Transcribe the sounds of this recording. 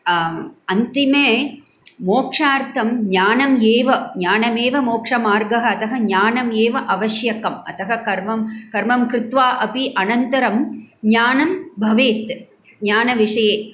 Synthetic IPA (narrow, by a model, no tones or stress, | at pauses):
ɐnt̪imeː | moːkʂaːɾt̪ʰɐmɲaːnɐmjeːʋɐɲaːnɐmeːʋɐmoːkʂɐmaːɾɡɐɦɐɐt̪ɐɦɐɲaːnɐmjeːʋɐʔɐʋɐʃjɐkɐmɐ̰t̪ɐɦɐkɐɾmɐmkɐɾmɐmkɾɪt̪ʋaːʔɐpiʔɐnɐnt̪ɐɾɐmɲaːnɐmbʱɐʋeːt̪ | ɲaːnɐʋiʂɐjeː